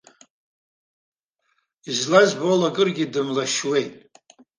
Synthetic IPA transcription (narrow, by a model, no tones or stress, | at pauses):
izlazbolaɡʼɨrɡʲidɨmlaʃwe̞jtʼ